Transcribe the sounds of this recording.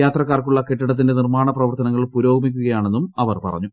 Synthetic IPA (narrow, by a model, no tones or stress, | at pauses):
jaːt̪rɐkːaːrkuɭːɐke̞ʈːiɽɐt̪̬ːinde̞nirmaːɳɐprɐʋɐrt̪ɐnɐŋːɐɭpuɾo̞ːɡɐmikʲːuɣɐjaːɳe̞nːumɐʋɐrpɐ̰rɐ̰ɲːu